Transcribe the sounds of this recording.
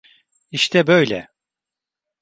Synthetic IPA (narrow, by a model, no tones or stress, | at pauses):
iʃt̪ʰɛbøjlʲɛ̰